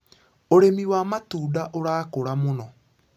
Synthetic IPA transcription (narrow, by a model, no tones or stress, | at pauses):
oɾemiwamatuːdaʔoɾaːkoɾamonɔ